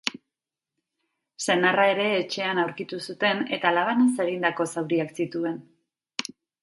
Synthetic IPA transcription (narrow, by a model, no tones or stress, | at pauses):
se̞narae̞ɾe̞ːt͡ʃe̞anawɾkit̪usut̪e̞ne̞t̪alaβ̞anase̞ɣ̞ind̪ako̞sawɾiaksit̪ue̞n